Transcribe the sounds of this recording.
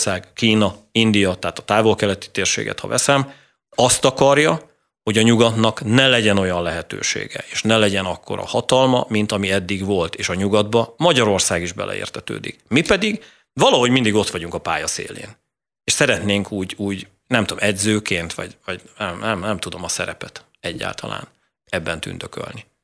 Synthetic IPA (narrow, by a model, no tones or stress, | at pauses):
saːɡkiːnɒind̪ijɒt̪ɛːt̪ɒ̥t̪aːvo̞lkɛlɛt̪i̥t̪eːrʃḛːɡɛ̰t̪hɒ̰vɛsɛm | ɒst̪ɒkɒrjɒ | ho̞ɟɒɲuɡɒt̪nɒknɛlɛɟɛno̞jɒnlɛɦɛt̪ø̰ːʃḛːɡɛ̰eːʃnɛlɛɟɛnɒkːo̞̰ɾɒ̰hɒt̪ɒlmɒ̰mint̪ɒmiɛd̪ːiɡvo̞lt̪eːʃɒɲuɡɒd̪bɒmɒɟɒɾo̞rsaːɡiʒbɛ̰lʔɛ̰ḛːrt̪ʰɛt̪ø̰ːd̪ḭkmipɛd̪iɡ | vɒlɒɦo̞ɟmind̪iɡo̞t̪ʋɒɟuŋkɒpaːjɒsḛːlḛːn | eːʃsɛɾɛt̪neːŋkʰuːɟuːɟ | nɛmt̪uo̰mʔɛd̪zøːkeːnt̪ʋɒ̰ɟvɒɟnɛmnɛmnɛmt̪ud̪o̞mɒsɛɾɛ̰pɛt̪ | ɛɟːa̰ːlt̪ʰɒ̰la̰ːn | ɛbːɛnt̪y̰nd̪økø̰lni